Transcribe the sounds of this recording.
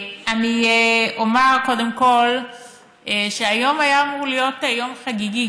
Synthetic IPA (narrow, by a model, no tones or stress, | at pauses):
anieʔomeʁko̞demko̞l | eʃeajo̞majaːmuʁlijo̞tejo̞mχaɡiɡi